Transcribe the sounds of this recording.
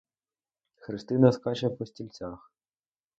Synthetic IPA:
xɾɪst̪ɪnɐskɑt͡ʃɛpɔsʲtʲilʲt͡sʲax

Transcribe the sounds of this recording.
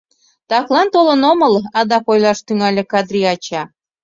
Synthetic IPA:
t̪ɑklɑnt̪olənoməlɑd̪ɑkojlɑʃt̪yŋɑlʲĕkɑd̪ɾiɑt͡ɕɑ

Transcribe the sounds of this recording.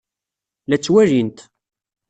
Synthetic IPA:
læt͡sːwæɾint̪

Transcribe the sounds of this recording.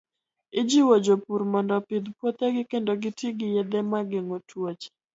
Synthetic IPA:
ɪd͡ʒiwod͡ʒopuɾmɔndɔpɪd̪pwot̪ɛɡɪkendoɡɪtiɡɪjɛd̪ɛmaɡeŋotʰwot͡ʃ

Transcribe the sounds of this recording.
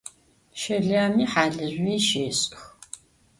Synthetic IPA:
ʃɐɮaːmiːħaːɮɨʑʷiːʃeːɕʼx

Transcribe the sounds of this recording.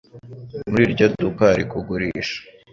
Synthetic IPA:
muɾiːɾɟodukaɾikuɡuɾiːʃḁ

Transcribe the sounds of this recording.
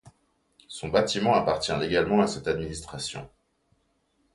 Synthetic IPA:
sɔ̃bat̪imɑ̃apaʁt̪jɛ̃leɡalmɑ̃asɛt̪ad̪minist̪χasjɔ̰̃

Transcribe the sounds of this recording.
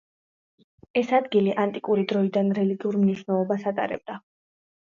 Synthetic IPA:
ɛsad̪ɡiliʔant̪ʼikʼuɾid̪ɾɔid̪anɾɛliɡiuɾmniʃwnɛlˠɔbasat̪ʼa̰ɾɛ̰b̚d̪a

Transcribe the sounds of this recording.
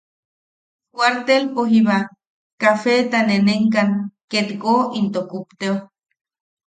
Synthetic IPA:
kwʷaɾt̪elpoɦiβa | kafet̪aneneŋkaŋket̪koint̪okupt̪eo

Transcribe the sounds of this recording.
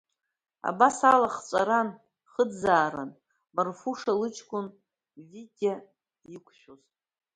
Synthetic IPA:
a̰basalaχt͡ʃʷʼaɾan | χədzaːɾa̰n | marfuʂalɨt͡ʃʰkʷʰʼʊn | viɡʲa | ikʷʰʼʃʷᶣoz

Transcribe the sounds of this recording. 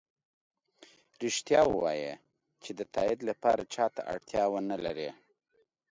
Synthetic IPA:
ɾɪʃt̪jɑwəwɑ̰je | t͡ʃed̪ət̪ʰɑɪd̪lapɑɾat͡ʃɑt̪a̰ʔa̰ɽt̪jɑwənalaɾe

